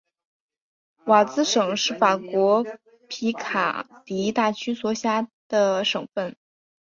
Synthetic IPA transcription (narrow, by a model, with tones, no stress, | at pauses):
wa˨˩t͡sɹ̩˥ʂɤ˨˩ŋʂɻ̩˥˩fa˨˩kwɔ˧˥ | pʰi˧˥kʰa̰˨˩t̪i˧˥t̪a˥˩t͡ɕʰy˥swɔ˧˥ɕja˥d̪̥ə˧ʂɤ˨˩ŋfə˥˩n